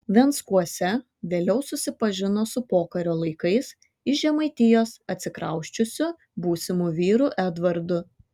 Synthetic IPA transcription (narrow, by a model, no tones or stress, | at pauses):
ʋʲɛnt̪skuɔsʲɛ | ʋʲeːlʲɛʊsʊsʲɪpɐʒʲɪnoːsʊpoːkɐɾʲoːlˠɐɪkɐɪs | ɪʒʲɛmɐɪt̪ʲɪjoːsɐt̪ʲsʲɪkɾɐ̰ʊʃʲt͡ʃʲʊsʲʊ | buːsʲɪmuːʋʲiːɾuːʔæd̪ʋɐɾd̪ʊ